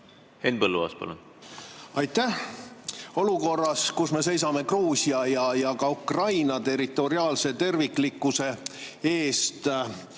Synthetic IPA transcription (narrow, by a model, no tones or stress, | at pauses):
henb̥ɤlːuɑ̰ːspɑ̰lun | ɑjt̪ːæh | o̞luko̞rːɑskusme̞se̞js̬ɑme̞kruːsʲiɑjɑjɑkɑukrɑjnɑt̪e̞ɾit̪ːˑo̞ɾiɑːlse̞t̪e̞rvikˑlikːuse̞e̞ːst̪